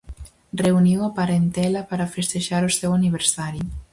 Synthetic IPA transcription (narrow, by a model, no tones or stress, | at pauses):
reuniwɐpaɾent̪ɛlɐpaɾafest̪eʃaɾosɛwaniβ̞eɾsaɾju